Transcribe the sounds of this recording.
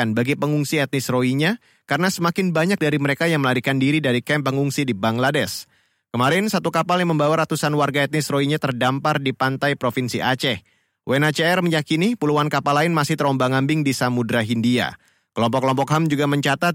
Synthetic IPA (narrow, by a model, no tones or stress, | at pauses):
anbaɡipəŋuŋsiɛt̪̚nɪsroiɲa | kaɾənasəmakɪnbaɲak̚daɾiməɾekajaŋməlaɾikandiɾidaɾikɛmpəŋuŋsidibaŋladɛs | kəmaɾɪnsat̪ukapaljaŋməmbawaɾat̪usanwarɡaɛt̪̚nɪsroiɲat̪ərdampardipant̪ajpɾofinsiʔat͡ʃɛh | wʔenat͡ʃɛɛrməɲakinipuluankapalaɪnmasɪht̪əɾɔmbaŋambɪŋdisamudɾaɦindia̰ | kəlɔmpɔkːəlɔmpɔkɦamd͡ʒuɡaməɲt͡ʃat̪at̪̚